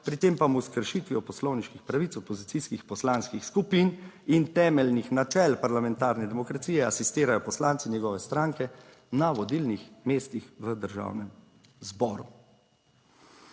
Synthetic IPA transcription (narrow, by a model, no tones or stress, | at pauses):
pɾit̪eːmpamuskəɾʃit̪ʋiɔpɔslɔwniʃkixpɾaʋit̪ɔpɔzit̪siskixpɔslaːnskixskupinint̪ɛːmɛlnixnat͡ʃɛːlpaɾlamɛnt̪aːɾnɛd̪ɛmɔkɾat̪siːjɛasist̪eːɾajɔpɔslaːnt̪sinjɛɡɔːʋɛst̪ɾaːŋkɛ | naʋɔd̪ilnixmeːst̪ixʋəd̪əɾʒa̰wnɛm | zbɔːɾṵ